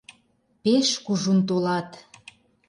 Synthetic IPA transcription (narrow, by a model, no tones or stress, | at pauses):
peʃkuʒunt̪̬olɑt̪